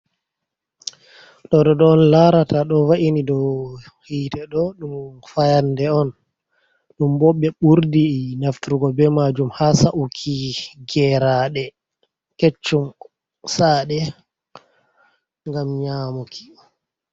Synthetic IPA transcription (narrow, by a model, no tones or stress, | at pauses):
ɗɔɗɔɗɔːnlaɾataɗɔwaʔinidɔ | hiːtɛɗɔɗumfajandɛɔn | ɗumbɔɓːɛɓuɾdinaftuɾuɡɔbɛmad͡ʒumhasaʔukʰiɡɛɾaɗɛ | ket͡ʃːum | saɗɛ | ŋɡamɲaːmukʰi̥